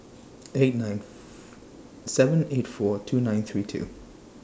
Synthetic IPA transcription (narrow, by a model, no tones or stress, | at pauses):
et̚nãɪ̃n | sɛvə̃netfɔtʰunãɪ̃nθɹiːtʰṵ